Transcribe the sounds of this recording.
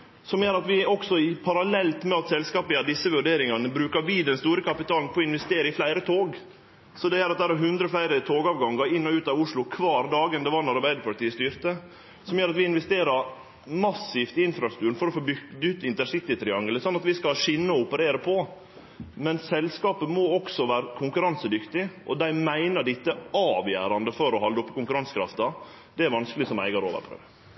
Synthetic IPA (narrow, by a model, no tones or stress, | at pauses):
sɔmjøːɾɑt̪ʋɪɔksɔɪpʰɑɾɑlɛlt̪mɛɑt̪sɛlskɑːpɪɑd̪ɪsːəʋʉɖeːɾɪŋɑnəbɾʉːkɑɾʋiːd̪ɛnst̪uːɾəkʰɑpɪt̪ʰɑːlnpʰɔɪnʋɛst̪eːɾəɪflæɪɾət̪ʰoːɡ | sɔd̪ɛjøːɾɑt̪̚d̪æːɾɑɾɦʉnd̪ɾəflæɪɾət̪ʰoːɡɑːʋɡɑŋɡɑɪnːɔʉːt̪ɑʋʊʂlʊkʰʋɑːɾd̪ɑːɡənd̪ɛʋɑːɾnɑɾbæɪd̪əɾpʰɑʈ̪tiːəst̪yːɾt̪ə | sɔmjøːɾɑt̪ʋɪɪnʋɛst̪eːɾɑɾ | mɑsɪːft̪ɪɪnfɾɑst̪ʉːɾən̩fɔɾɔfoːbʏʉt̪ɪnt̪əʂɪt̪ːɪt̪ʰɾɪɑŋɡələsɔnːɑt̪ʋɪskɑʂɪnːəɔʊpəɾeːɾəpʰɔ | mɛnsɛlskɑːpəmɔɔksɔʋæːɾəkʰʊŋkʉɾɑnsəd̪ʏkt̪ɪʔɔd̪æɪmæɪnəɖɪt̪ːəɑːʋjæ̰ːɾɑnd̪əfɔɾɔhɑld̪əɔpːkʊŋkʉɾɑnskɾɑ̰ft̪ɑ | d̪ɛæɾʋɑnskəlɪsɔmæ̰ɪɡɑɾo̰ːʋə̰ɾpʰɾø̰ːʋ